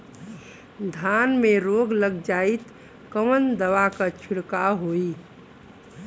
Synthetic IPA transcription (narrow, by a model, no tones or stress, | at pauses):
d̪ʱanmeɾoɡləɡd͡ʒait̪ | kəmənd̪əʋakət͡ʃʰiɽkaɦoi